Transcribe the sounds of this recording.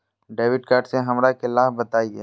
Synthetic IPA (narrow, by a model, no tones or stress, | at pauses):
ɖeːʋɪɖkaːɾʈseɦɐmɾakelaːɦbɐt̪aːie